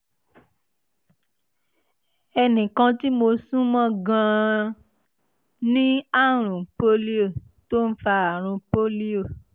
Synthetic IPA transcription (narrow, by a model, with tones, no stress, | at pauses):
ɛ˧nĩ˨kã˧ti˦mo˧sũ˦mɔ̃˦˨ɡã˧˦ | nĩ˦a˦˨ɾ̃ũ˨po˦li˦o˦˨ | to˦n̩˦fa˧a˨ɾ̃ũ˧po˦li˦o˦˨